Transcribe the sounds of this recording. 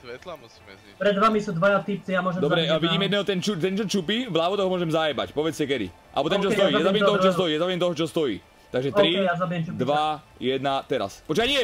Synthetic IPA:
l | pɾɛd̪ʋamisuːd̪ʋajat̪ip̚t͡sijamʊɔʒɛmd̪ɔbɾɛaʋiɟiːmjɛd̪nɛɦɔt̪ɛnt͡ʃut̪ɛnt͡ʃɔt͡ʃupivlaːʋɔt̪ɔɦɔmʊɔʒɛmzajɛba̰cpɔʋɛt͡scɛkɛd̪ḭʔa̰lɛbɔt̪ɛnt͡ʃɔst̪ɔjiːazabiɛmɔɔɦɔt͡ʃɔst̪ɔjːjazabiɛmt̪ɔɦɔt͡ʃɔst̪ɔjiː | t̪aɡʒɛt̪ɾiɛjazabijɛmt͡ʃupd̪ʋa | jɛd̪nat̪ɛɾa̰spɔt͡ʃkaɲiɛ

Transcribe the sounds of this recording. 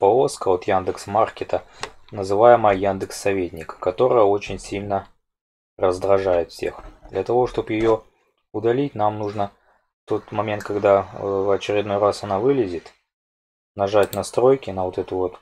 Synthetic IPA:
pɐoskəo̞t̪jand̪ɨksmarkʲɪt̪ə | nəzɨvajɪməjəjand̪ɨksːɐvʲetʲnʲɪkə̥kɐt̪o̞ɾəjəo̞t͡ɕɪnʲsʲilʲnə | rəzd̪ɾɐʐajɪt̪fsʲḛxd̪lʲət̪ɐvo̞ʂt̪o̞pjɪjo̞ | ʊd̪ɐlʲit̚ʲnamnuʐnə | ft̪o̞t̪mɐmʲent̪̚kɐɡd̪avɐt͡ɕɪɾʲɪd̪no̞jrasɐnavɨlʲɪzʲɪt̪ | nɐʐatʲnɐst̪ɾo̞jkʲɪnəvo̞t̪ɛt̪ʊvo̞t̪

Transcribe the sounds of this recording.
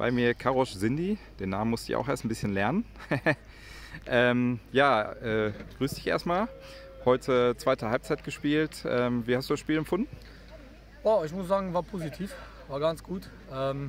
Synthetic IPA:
b̥a̰ɪmiːɐkʰaʁɔszɪndid̥eːnaːmənmʊstd̥ɪ̰çʔa̰ʊxʔeːɐstn̩bɪsçənlɛɐnən | ʔɛːmjaːʔɛːɡ̥ʁyːsd̥ɪçʔḛɐstmaːl | hɔʏtʰət͡sv̥aɪtəhalp̚t͡saɪt̚ɡ̥əʃpiːltʔɛːmviːhastd̥uːdasʃpiːlɛmfʊndn̩ | jaːɪç̬mʊsz̥aːɡŋ̩vaːɐpʰoːzitʰiːf | vaːɐɡansɡ̥uːt | ʔɛːm

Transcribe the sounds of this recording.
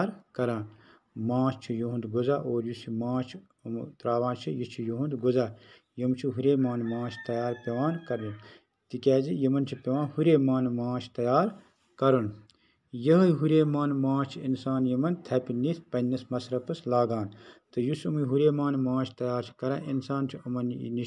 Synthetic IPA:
ɾkɐɾaːn | mãːt͡ʃʰt͡ʃʰijuɦund̪ɡuzaːʔoːɾjusimãːt͡ʃʰ | ɐmt̪ɾaːʋãːnt͡ʃʰijit͡ʃʰijuɦund̪ɡuzaː | jɐmt͡ʃʰiɦuɾeːmaːnmãːt͡ʃʰi̥t̪ɐjaːɾpʲɐʋaːnkɐɾdɐn | t̪ikʲɛːd͡ʒijɐmɐnt͡ʃʰipʲɐʋãːnhuɾeːmaːnmãːt͡ʃʰt̪ɐjaːɾ | kɐɾɐn | jɐɦɦuɾeːmaːnmãːt͡ʃʰiinsaːnjɐmɐnt̪ʰɐpiniːspɐnːɐsmɐsɾɐpɐslaːɡaːnt̪ɐjusɐmɦuɾeːmaːnmãːt͡ʃʰi̥t̪ɐjaːɾt͡ʃʰi̥kɐɾaːʔinsaːnt͡ʃʰiɐmɐn̰ni

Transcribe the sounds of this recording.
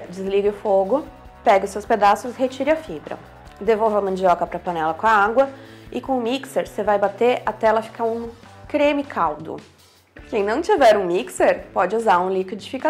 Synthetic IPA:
d͡ʒɪzliɡɪʊfoɡʊ | pɛɡɪʊsewsped̪asʊshet͡ʃiɾɪɐfibɾɐ̰ | d̪evowvɐmɐ̃nd͡ʒiɔkɐpɾɐpɐ̃nɛlɐkõɐaɡwɐɪkõʊmikseɾsevajbat̪eɾʔɐt̪ɛlɐfi̥kaũ | kɾẽmɪkʰawd̪ʊ̰ | kẽj̃nɐ̃w̃t͡ʃivɛɾũmikseɾpɔd͡ʒɪuzaɾũlikɪd͡ʒɪfika

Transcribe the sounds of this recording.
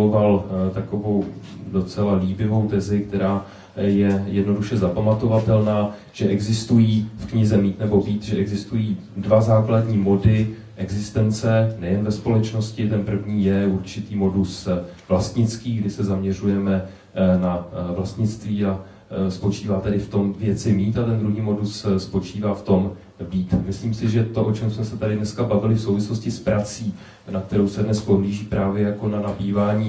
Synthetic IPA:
ovalt̪ako̞vo̞wdo̞t͡sɛlaliːbɪvo̞wt̪ɛzɪk̚t̪ɛɾaː | jɛjɛdno̞duʃɛzapamat̪o̞vat̪ɛlnaː | ʒ̥ɛʔɛɡzɪst̪ujiːfkɲɪzɛmiːt̪nɛbo̞biːt̪ʒɛʔɛɡzɪst̪ujiː | dvazaːkladɲiːmo̞dɪ | ʔɛɡzɪst̪ɛnt͡sɛnɛjɛnvɛspo̞lɛt͡ʃno̞scɪt̪ɛnpr̩vɲiːjɛuɾt͡ʃɪt̪iːmo̞dusvlast̪ɲɪt͡skiːɡdɪsɛzamɲɛr̝ujɛmɛ | navlast̪ɲɪt͡st̪viːa | spo̞t͡ʃiːvaːt̪ɛdɪft̪o̞mvjɛt͡sɪmiːt̪at̪ɛnd̪ɾuɦiːmo̞dusspo̞t͡ʃiːvaːft̪o̞m | biːt̪mɪsliːmsɪʒɛt̪o̞ʔo̞t͡ʃɛmsmɛsɛt̪adɪdnɛskabavɪlɪfso̞wvɪslo̞scɪspɾat͡siː | nak̚t̪ɛɾowsɛdnɛspo̞ɦliːʒiːpɾaːvjɛjako̞nanabiːvaːɲiː

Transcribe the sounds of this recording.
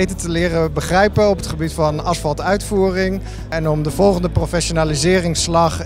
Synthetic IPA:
jtətəlɪːrəbəχrɛjpənɔpətχəbitfɑnɑsfɑlˠtœɥtfuːrɪŋ | ɛnɔmdəvɔlˠχəndəprofɛʃonaːlizɪːrɪŋslɑχ

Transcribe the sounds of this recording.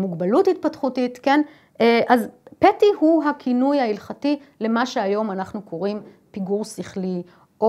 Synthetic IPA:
muɡbaluthit̚patχutitken | eʔazpetihuɦakʰinujailχati | le̞maʃe̞ajo̞manaχnukʰo̞ʁim | piɡuʁsiχli | ʔo

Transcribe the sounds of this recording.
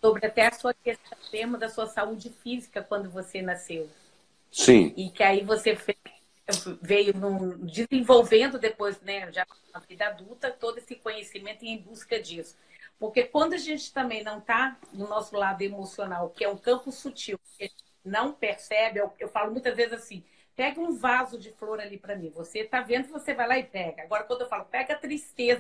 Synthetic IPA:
sobɾɪat̪ɛɐsuɐkest̪ɐ̃mezmɐd̪ɐsuɐsaud͡ʒɪfizikɐkwɐ̃nd̪ʊvosenasew | sḭ̃ɪkɪaivosefe | vejʊnũd͡ʒɪzẽvowvẽnd̪ʊd̪epojznɛʒa | ɐvijd̪ɐad̪ut̪ɐt̪od̪ʊesɪkõɲesimẽnt̪ʊɪẽj̃buskɐd͡ʒisʊ̥poɾkekwɐ̃nd̪ʊaʒẽnt͡ʃɪ̥t̪ɐ̃mbẽj̃nɐ̃w̃t̪anʊnɔsʊlad̪ʊemosionawkɪɛũkɐ̃mpʊsut͡ʃiwkɪɐʒẽt͡ʃɪnɐ̃w̃peɾsɛbɪewewfalʊmũj̃t̪ɐzvezɪzasĩ | pɛɡɐũvazʊd͡ʒɪfloɾalipɾɐmĩvoset̪avẽnd̪ʊvosevajlaɪpɛɡɐaɡɔɾɐkwɐ̃nd̪ʊewfalʊpɛɡɐt̪ɾist̪ezɐ

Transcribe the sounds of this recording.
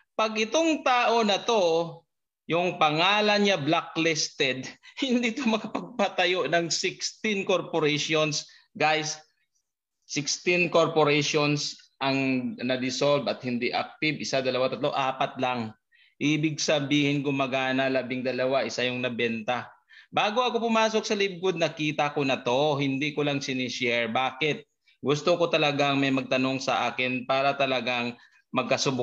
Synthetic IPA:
pɐɡʔɪt̪o̞ŋt̪aːʔo̞nɐt̪o̞ | jʊŋpɐŋaːlɐnɲablaklɛst̪ɛd̪̚hɪnd̪it̪omɐkɐpɐɡ̚pɐt̪ɐjo̞nɐŋsɪkst̪ɪnko̞ɾpoɾɛjʃons | ɡajs | ɪkst̪ɪnko̞ɾpoɾɛʃonsʔɐŋnɐd̪ɪsolbɐt̪̚hɪnd̪iʔa̰k̚t̪ɪbɪsad̪ɐlɐwat̪ɐt̪loʔo̰ʔaːpɐt̪̚laŋ | ʔiːbɪɡ̚sɐbiːhɪnkomɐɡaːnɐlaːbɪŋd̪ɐlɐwaʔɪsajʊŋnɐbɛnt̪ɐ | baːɡoʔɐkopʊmaːso̞k̚sɐlɪb̚kʊd̪̚nɐkiːt̪ɐkonɐt̪o̞ɦɪnd̪ikolaŋsɪnɪʃɛɹbaːkɪt̪̚ | ɡʊst̪oko̞t̪ɐlɐɡaŋmɐjmɐɡ̚t̪ɐno̞ŋsɐʔaːkɪnpaːɾɐt̪ɐlɐɡaŋ | mɐɡ̚kɐsʊb

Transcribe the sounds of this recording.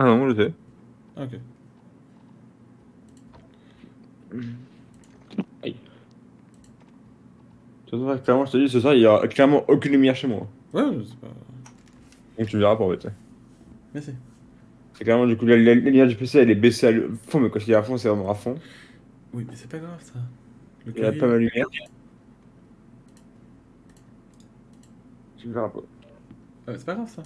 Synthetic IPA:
anɔ̃ʒəs̬ɛ | aokʲe | a̰j | t̪yasɔ̃aklɛʁmɑ̃ʒət̪əd̪is̬əs̬waʁiljɔʁa̰klɛʁmɑ̃ʔokʲynlymjɛʁʃemwa̰ | wɛwsɛ̥pa̰ | d̪ɔ̃k̚t̪ymviʁapuʁ̃bɛ̰t̪ɛ | mɛsɛ | sɛklɛʁmɑ̃d̪ykulaylaylalymjɛʁd̪ypeseɛlɛbesealø̰fɔ̃mɛkɑ̃t̪idiafɔ̃sɛvʁɛmɑ̃afɔ̃ | wimɛsɛ̥paɡʁavsa | ɛpamald̪əlymjɛʁ | t̪yməviʁapa̰ | aɛsɛ̥paɡavsa

